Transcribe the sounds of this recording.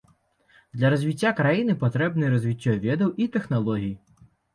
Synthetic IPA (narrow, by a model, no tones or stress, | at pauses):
d̪lʲɐɾɔzʲʋʲitʲːakɾɐjinɪpɔt̪ɾɛbnɪjɾɔzʲʋʲitʲːɔʋʲɛd̪ɐwʔit̪exnɔlˠɔɦʲij